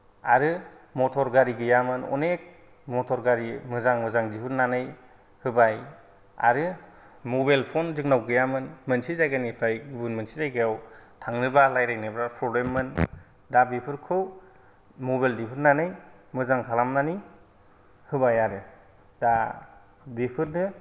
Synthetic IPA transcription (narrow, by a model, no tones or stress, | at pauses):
aɾɯmɔtʰɔɾɡaɾiɡɯjamɯnɔ̰nek̚ | mɔtʰɔɾɡaɾimɯzaŋmɯzaŋdipʰɯnnanɯj | hɯbaj | a̰ɾɯ | mɔbajlpʰɔnzɯk̚nawɡɯjamɯnmɯnsizajɡanipʰɾajɡibɯnmɯnsizajɡɯjawtʰaŋnɯbalajɾajnɯbɾapʰɾɔbɾemːɯn | dabepʰɯɾkʰɯw | mɔbajldipʰɯɾnːanɯj | mɯzaŋkʰalamnani | hɯbajaɾɯ | da | bipʰɯɾnɯ